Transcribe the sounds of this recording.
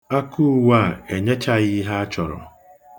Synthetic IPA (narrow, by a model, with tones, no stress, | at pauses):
a˦ku˦wa˦˨e˨ɲe˦t͡ʃa˦ɣi˦ɦa˦a˦t͡ʃɔ˨ɾɔ̰˨